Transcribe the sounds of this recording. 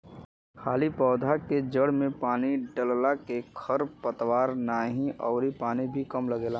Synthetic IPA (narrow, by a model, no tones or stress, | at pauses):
xʰaːlipɔːd̪ʱaked͡ʒəɽmẽpaːniɖəllakekʰəɾpət̪waːɾnaːɦĩʔɔːɾipaːnibʱikəmləɡeːlaː